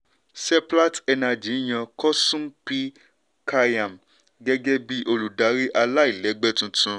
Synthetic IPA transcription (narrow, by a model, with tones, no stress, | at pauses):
sɛ˦pla˦tɛ˧na˧d͡ʒi˨˦j̃ã˧kɔ˦sũ˦m˦pi˦ | ka˧jã˨m̩˨ | ɡɛ˦ɡɛ˦bi˦ʔo˧lu˨da˨˦ɾi˦ʔa˧la˦i˦˨lɛ˨˦ɡ͡bɛ˦tũ˧˦tũ˧